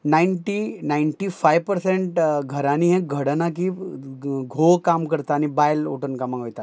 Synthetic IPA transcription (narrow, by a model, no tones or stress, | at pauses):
naiɳʈinaiɳʈifajʋpəɾseɳʈɡʱəɾaniɦẽɡʱəɽnaki | ɡʱokamkəɾt̪aːnibajlo̰ʈənkamaɡɦojt̪a